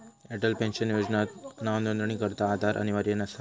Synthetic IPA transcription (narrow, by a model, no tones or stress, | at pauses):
ɛʈəlpɛ̃nʃənjod͡ʒnanaʋnənd̪əɳ̃ikəɾt̪aːd̪ʱaɾʔə̰niʋəɾjənasa